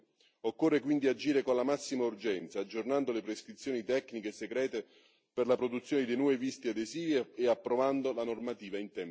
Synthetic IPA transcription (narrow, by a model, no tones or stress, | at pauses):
okːorːekwind̪iad͡ʒiːɾekonlamasːimaurd͡ʒɛnt̪saːd͡ʒːornand̪olepɾeskɾit̪sːjoːnit̪ɛkːnikeseɡɾɛːt̪e | perlapɾod̪ut̪sjoːned̪enwɔːevist̪iad̪eziːveːapːɾovand̪olanormat̪iːvaint̪ɛm